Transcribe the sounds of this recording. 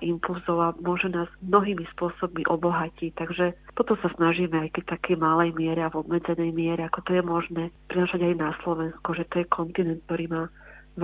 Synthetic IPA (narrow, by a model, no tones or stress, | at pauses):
ʔimpulzɔʊamʊɔʒɛnaːz̥mnɔɦiːmispʊɔsɔb̚miʔɔbɔɦacict̪aɡʒɛt̪ɔt̪ɔsasnaʒimɛajkɛc̚t̪akɛjmalɛjmɪɛɾɛavɔbmɛd͡zɛnɛjmɪɛɾɛakɔt̪ɔjɛmɔʒnɛːpɾinaːʃaɟajnaslɔʋɛnskuʒɛt̪ɔjɛkʰɔnt̪inɛnt̪̚t̪ɔɾiːmaː